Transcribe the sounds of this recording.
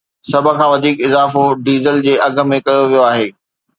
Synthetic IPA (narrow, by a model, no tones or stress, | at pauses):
sɐbʱə̆kʰãːʋɐd̪ʱiːkɪzaːfoɖiːzəld͡ʑeːʔɐɡʱə̆mẽkɐjoʋijoaːɦeː